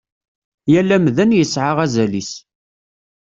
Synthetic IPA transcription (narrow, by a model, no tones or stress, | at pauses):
jælːæmðənjəsʕaʁæzælis